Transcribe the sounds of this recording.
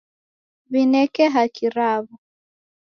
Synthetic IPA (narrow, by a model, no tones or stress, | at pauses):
βinɛkɛɦakiɾaβu